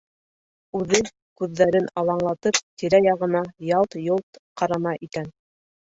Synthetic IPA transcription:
ʉðɘ | kʉðːæɾɘnɑlˠɑɴlˠɑt̪ɤp̚t̪iɾæjɑʁɤ̆nɑjɑlˠt̪jolˠt̪qʰɑɾɑmɑʔikæn

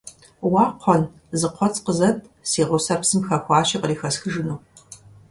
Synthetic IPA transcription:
wɑːqʷʰɔn | zɨqʷʰɔt͡sʰqəzɐtʰsiːʁʊsɐpsɨmxɐxʷɑːɕiqəriːxɐsxɨʒɨnuː

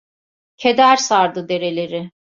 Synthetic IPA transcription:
cʰed̪æɾsaɾd̪ɯd̪e̞ɾe̞lʲe̞ɾɪ

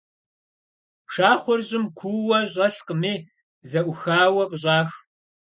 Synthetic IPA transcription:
pʂaːχʷɔrʑɪmkʷʰuwɐʑʼɐɬqəmiː | zɐʔʷʊxaːwɐqəɕʼaːx

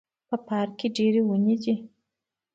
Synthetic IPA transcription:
pəpɑɾkeɖeɾewənid͡ʒi

